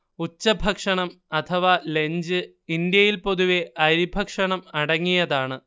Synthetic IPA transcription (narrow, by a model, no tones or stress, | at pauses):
ut͡ɕːɐbʱɐkʂɐɳɐm | ɐt̪ʰɐʋale̞ɲd͡ʑɨ | ind̪jɐjilpo̞ðuʋeʔɐɾibʱɐkʂɐɳɐmɐɽɐŋːijɐðaːɳɨ